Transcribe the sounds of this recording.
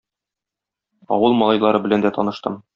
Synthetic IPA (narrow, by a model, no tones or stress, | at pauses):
ɒ̰wɤlˠmɒlˠɑjlˠɑɾɤbɘ̆lænd̪æt̪ɒnɤ̆ʃt̪ɤm